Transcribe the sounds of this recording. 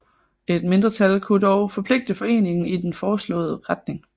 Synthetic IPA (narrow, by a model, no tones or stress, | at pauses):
e̝d̥me̝nd̥ʁɐt͡sʰælkʰud̥ɒʊfɒ̽pʰle̝ɡ̥̚d̥əfɒ̽e̝̰ːne̝ŋn̩id̥enfɒːslɔ̰̽ːð̞̩ˠəʁɑd̥̚ne̝ŋ